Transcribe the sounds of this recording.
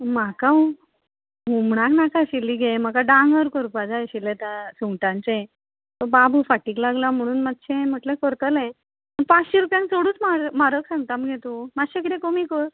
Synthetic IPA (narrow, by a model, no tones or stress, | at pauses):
makaũ | ɦumɳ̃aknakaɕilːiːɡʱem̤əkaɖãŋɡəɾkəɾupad͡zaɕilet̪asuŋɡʈãnt͡sẽ | t̪ɔbabʱufaʈiːklaɡlam̤əɽ̃uːnmat̪ɕẽm̤əʈlẽkɔɾt̪əlɛ̃ | mənpat͡sɕiɾupjãnt͡soɽuːt͡smaɾmaɾəksãŋɡt̪amɡʱet̪umaɕekɾekomikɔɾ